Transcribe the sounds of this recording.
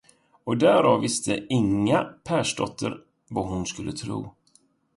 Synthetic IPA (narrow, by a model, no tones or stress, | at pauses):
ɔd̪æːɾɑvːɪst̪ʰəʔɪŋːapʰæːʂɖɔ̰t̪ʰːəɾ | vaɦʊnskɵlːət̪ʰɾṵː